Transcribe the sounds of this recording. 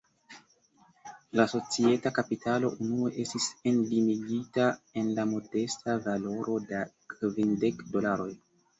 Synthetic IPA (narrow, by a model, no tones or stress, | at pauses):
laso̞t͡sie̞takapitalo̞̰ʔunue̞ʔe̞stise̞ndimiɡitae̞nlamo̞de̞stavalo̞ɾʔo̞dakvinde̞kdo̞laɾo̞j